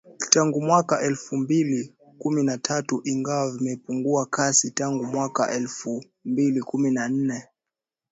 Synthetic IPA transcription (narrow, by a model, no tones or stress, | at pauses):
taŋɡumwakaʔɛlfumbili | kuminatʰatuʔiŋɡawavimɛpuŋɡuakasitaŋɡumwaka̰ʔɛlfu | mbilikuminan̩nɛ